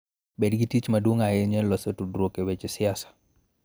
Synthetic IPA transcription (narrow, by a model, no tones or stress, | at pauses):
ɓɛdɡitit͡ʃmaduŋajɛɲɛlɔsɔtudɾokɛwɛt͡ʃɛsiasḁ